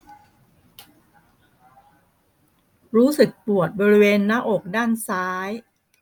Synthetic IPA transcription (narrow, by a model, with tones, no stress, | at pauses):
ɾuː˦˥sɯ˨˩k̚pu˨˩ət̪̚bɔː˧ɾi˧˥weː˧nːaː˦˥ʔoː˨˩k̚daː˥˩nsaː˦˥j